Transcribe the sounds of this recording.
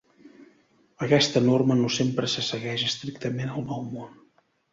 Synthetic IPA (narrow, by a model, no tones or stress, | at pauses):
əkɛst̪ənormənosempɾəsəsəɣɛʃəst̪ɾik̚t̪əmenəlˠnɔwmon